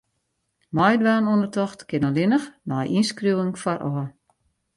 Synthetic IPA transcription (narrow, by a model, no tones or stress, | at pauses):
mɔjdʋaːnundətɔxtkɪnɔlɪnəxnɔjʔinskruwəŋfɔrʔɔː